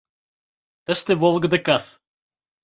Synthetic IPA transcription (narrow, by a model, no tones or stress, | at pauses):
t̪əʃt̪ɛvɔlˠɡəd̪ɐkas